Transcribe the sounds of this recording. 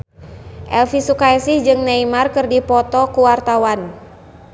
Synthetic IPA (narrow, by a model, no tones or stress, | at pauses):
ʔɛlfisukaɛsihd͡ʒɨŋnaimarkɨrdipɔt̪ɔkuwart̪awan